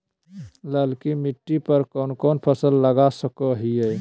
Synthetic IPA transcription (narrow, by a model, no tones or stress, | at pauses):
ləlkimiʈːipəɾkɔːnkonpʰəsəlːəɡasəkɔɦiəj